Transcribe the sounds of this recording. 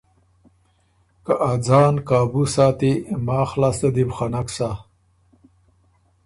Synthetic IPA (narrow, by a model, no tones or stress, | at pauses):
kaʔad͡zaːnkaːbusaːt̪imaːxlaːst̪ed̪ibχanaksa